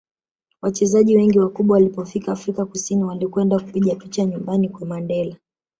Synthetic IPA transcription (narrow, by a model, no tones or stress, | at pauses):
wat͡ʃɛzaʄiwɛŋɡiwakuɓwawalipɔfikaːfɾikakusiniwalikwɛndaku̥piʄapit͡ʃaɲumbanikwamandɛla